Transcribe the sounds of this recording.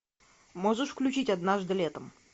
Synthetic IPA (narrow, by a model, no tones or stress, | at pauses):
moʐuʂfklʲʉt͡ɕitʲad̪naʐd̪ɨlʲet̪əm